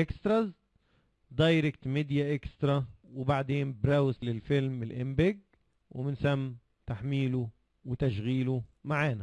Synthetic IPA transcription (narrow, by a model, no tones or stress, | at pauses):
ʔekst̪ɾɑz | d̪ɑjɾɪk̚t̪meːd̪jaʔɪkst̪ɾˤɑwɪbaʕd̪eːnbɾawɪslɪlfɪlmɪlʔɪmbɪɡ | wɪmɪnsæmː | t̪aħmiːlu | wɪt̪aʃɣiːlumaʕaːnæ